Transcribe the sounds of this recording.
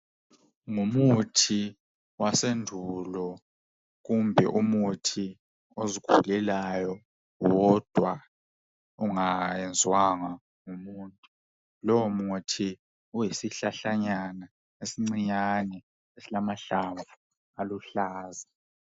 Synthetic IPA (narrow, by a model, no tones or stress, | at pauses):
ŋumutʰi | wasendʱulɔ | ɣumbʱɛ̰ʔumutʰi | ozikʰulɛlajɔ | wɔd̥ʱwa | uŋajɛnd͡zʱwaŋa | ŋumuːntʼu | lɔwɔmutʰi | ujisiɬaɬaɲana | esiŋ͡ǀiɲanɛ | esilamaɬaβa | aluɬaːza